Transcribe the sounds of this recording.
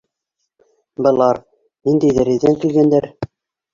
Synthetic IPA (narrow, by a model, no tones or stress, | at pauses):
bɤ̆lˠɑɾ | nind̪æjðæɾĭðæŋkilɡænd̪æɾ